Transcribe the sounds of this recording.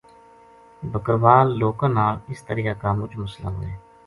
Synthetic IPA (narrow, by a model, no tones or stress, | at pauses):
bəkəɾʋaːlːoːkãːnaːlɪst̪əɾiːakaːmʊd͡ʒməsla̰ːɦo̰ːeː